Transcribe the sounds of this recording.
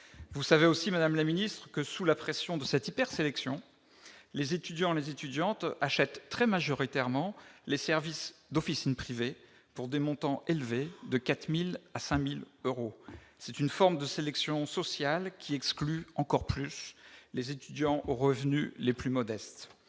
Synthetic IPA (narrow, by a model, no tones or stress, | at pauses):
vusaveosimad̪amlaminist̪χəkəsulapχɛsjɔ̃d̪əsɛt̪ipɛʁselɛksjɔ̃ | lezet̪yd̪jɑ̃elezet̪yd̪jɑ̃t̪aʃɛt̪ːχɛmaʒɔʁit̪ɛʁmɑ̃lesɛʁvisd̪ɔfisinpχive | puʁd̪emɔ̃t̪ɑ̃ʔelved̪əkat̪milasɛ̃miløʁosɛt̪ynfɔʁmd̪əselɛksjɔ̃sɔsjalkʲʰiɛksklyɑ̃kɔʁplyslezet̪yd̪jɑ̃ʔoʁəvnyleplymɔd̪ɛst̪